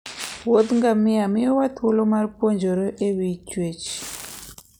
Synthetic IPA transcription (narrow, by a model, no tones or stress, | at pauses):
wod̪ŋɡamiamiowat̪olomaɾpwond͡ʒoɾɔʔewit͡ʃwet͡ʃ